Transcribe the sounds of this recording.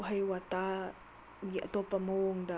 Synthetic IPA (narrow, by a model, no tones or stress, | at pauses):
ɦajwata | ɡiʔɐ̰t̪opamoŋd̪a